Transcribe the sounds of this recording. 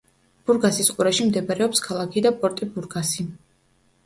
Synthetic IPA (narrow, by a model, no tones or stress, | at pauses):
b̥uɾɡasisqʼuɾaʃimd̪ɛbaɾɛɔpskʰalˠakʰid̪apʼɔɾt̪ʼibuɾɡasi